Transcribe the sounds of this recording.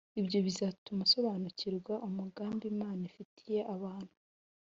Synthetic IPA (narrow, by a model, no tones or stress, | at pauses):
iβjo̞βizatumuso̞βaːnuciɾɡwaʔomuɡaːmbimaːnaifitʰije̞ʔaβaːn̥hu̥